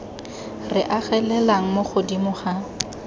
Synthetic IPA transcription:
rɪʔaɣɛlɛlaŋ̩moχʊdimʊχa

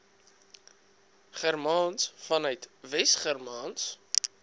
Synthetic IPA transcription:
χɛrmɑːnsfɐnœɥtvɛstχərmɑːns

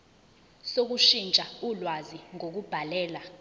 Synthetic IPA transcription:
sok̬uʃint͡ʃʼaulwaziŋok̬ub̥ʱalɛːla

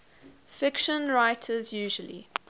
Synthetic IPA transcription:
fɪkʃə̃nɹaɪtʰəzjʉːʒəlḭ

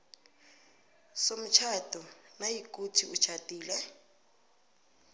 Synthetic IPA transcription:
som̩t͡ʃʰatʼɔnajikʼutʰiut͡ʃʰatʼiːlɛ

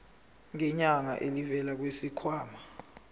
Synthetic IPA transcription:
ŋɛɲaŋa̰ʔelivɛlak̬wesikʰwaːma

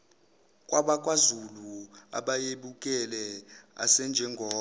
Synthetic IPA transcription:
kʼwaɓakʼwazulua̰ɓajeɓukʼɛlɛa̰sɛnd͡ʒʱɛŋɡʱɔː

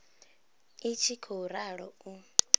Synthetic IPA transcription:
it͡ʃʰikʰoɾaɺɔu

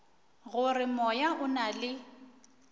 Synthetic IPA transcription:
ɣʊrɪmɔjaʔʊnalɪ

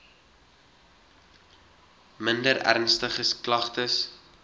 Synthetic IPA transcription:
məndəɾæ̰rnstəχəsklɐχtəs

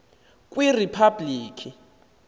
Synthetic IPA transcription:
kʼwiripʰabliːkʼi

